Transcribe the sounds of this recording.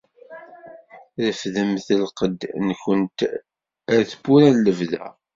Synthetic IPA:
ðəfðəmθəlqəd̪nçənt̪ | æɾθəbːuɾænləvðæ̰

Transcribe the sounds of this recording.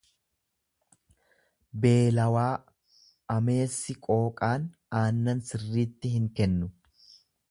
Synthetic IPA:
be̞ːlɐwaː | ɐme̞ːsːɪkʼo̞ːkʼaːnaːnːɐnsɪrːiːt̪ːɪhɪŋkɛnːʊ

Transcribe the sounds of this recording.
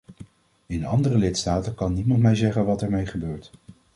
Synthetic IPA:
ɪnɑndərəlɪtstaːtəkɑnːimɑntmɛjzɛχənʋɑtɛɹmejχəbøːɹt

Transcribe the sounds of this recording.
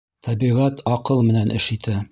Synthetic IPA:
t̪ʰæbiʁæt̪ʰɑqɤlˠmɘ̆nænʔɘ̰̆ʃit̪ʰæ

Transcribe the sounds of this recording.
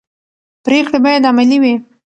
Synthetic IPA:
pɾekɽebɑjad̪amaliwi

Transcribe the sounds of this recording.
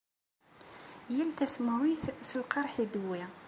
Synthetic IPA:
jælθæsmʕiθsəlqɑɾˤħid̪wi

